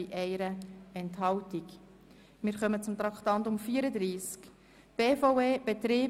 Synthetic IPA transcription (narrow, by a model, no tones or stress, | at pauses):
iʔɛɪɾəɛnthɑwtik | mɪːɾχœmət͡sʊmt̪ɾɑkχtɑntʊmfiːəɾəd̪ɾiːsk | b̥eːfoʊeːb̥et̪ɾiː